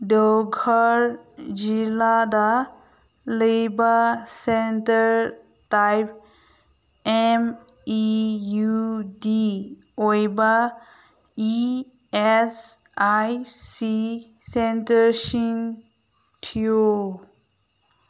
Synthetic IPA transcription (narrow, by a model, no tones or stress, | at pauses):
ɖəwɡʱɔɾd͡ʒilad̪a | lebasentəɾ | tajp̚ | em | ijudi | ojba | i | esajsi | sentəɾʃiŋ | ʈʰijo